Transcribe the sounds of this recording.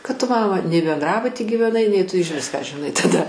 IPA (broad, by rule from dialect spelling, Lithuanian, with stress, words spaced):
kɐt ˈtʊ ˈmɑːmɐ nʲɛɪ bʲɛnˈdrɑːbʊtʲiː ɡʲiːʋʲɛˈnɐɪ nʲɛɪ ˈtʊ ɪʒʲˈʋʲɪs kɑː ʒʲɪˈnɐɪ tɐˈdɐ